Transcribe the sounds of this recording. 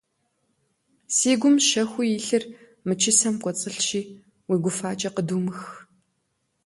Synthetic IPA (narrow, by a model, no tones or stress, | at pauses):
siːɡʷʊmʃɐxʷʊjiɬɨr | mɨt͡ʃʰɪsɐmkʷʼɔt͡sʼɨɬʃiː | wiːɡʷʊfaːt͡ʃʼɐqəduːmɨx